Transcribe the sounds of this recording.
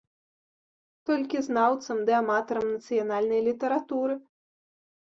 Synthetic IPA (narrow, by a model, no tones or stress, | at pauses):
t̪ɔlʲkʲiznawt̪sɐmd̪ɛamat̪ɐɾɐmnɐt̪sɨjanalʲnɐjlʲit̪ɐɾat̪uɾɨ